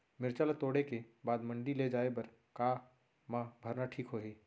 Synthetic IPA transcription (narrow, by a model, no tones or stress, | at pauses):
mɪɾt͡ʃalat̪oːɽekebaːd̪mə̃ɳɖiled͡ʒaːebɐɾ | kaː | mãbʱɐɾnaʈʰiːkɦoːɦeː